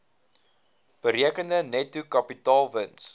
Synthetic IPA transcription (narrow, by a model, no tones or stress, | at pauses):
b̥əɾiəkəndənɛtukɐpitɑːlˠvəns